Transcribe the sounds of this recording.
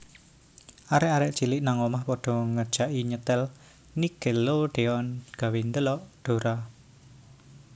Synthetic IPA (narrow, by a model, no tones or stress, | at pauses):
ʔaɾɛʔaɾɛʔt͡ʃilɪʔnaŋɔmahpɔɖ̥ɔ̤ŋə̥ʒ̥aʔiɲət̪ɛl | niɡ̥e̤loɖ̥e̤ɔnɡ̥a̤wind̪əlɔʔɖ̥o̤ɾa